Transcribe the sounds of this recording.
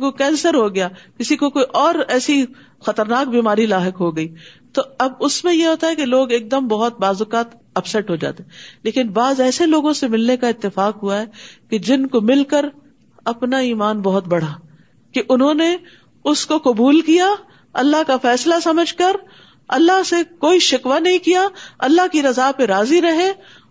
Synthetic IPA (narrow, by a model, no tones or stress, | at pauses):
kokɛ̃ːnsəɾɦoɡɐjaːkɪsikokoːiʔɔːɾɛːsi | xɐt̪əɾnaːk̚biːmaːɾilaːɦəkɦoɡɐiːt̪oɐbʊsmẽjeɦoːt̪aɦɛkeloːɡeːk̚d̪əmbɐɦʊt̪̚baːzʊkaːt̪ | ɐbsɛʈɦod͡ʒa̰ːt̪eːleːkɪnbaːzɛːseloːɡõsemɪlnekaɪt̪ːɪfaːkɦʊaɦɛːked͡ʒɪnkomɪlkəɾ | ɐpnaiːmaːnbɐɦʊt̪bɐɽ̤aː | keʔʊnɦõːne | ʊskokʊbuːlkija | ɐlːaɦkafɛːslasɐməd͡ʒʱkɐɾ | ɐlːaɦsekoːiʃɪkʋanɐɦĩkijaɐlːaɦkiɾɐzaːpeɾaːziɾɐɦe